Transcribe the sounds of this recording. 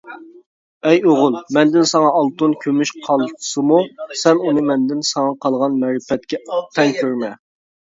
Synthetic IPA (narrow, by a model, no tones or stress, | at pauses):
ɛjoʁʊlˠmɛnd̪ɪnsɑŋɑɑlˠt̪unkʲʰømyʃqʰɑlˠt̪ʰsɨmusɛnunɨmɛnd̪ɪnsɑŋɑqʰɑlˠʁɑnmɛɾɪfɛt̪̚kʲɛt̪ʰɛŋkʲʰøɾmɛ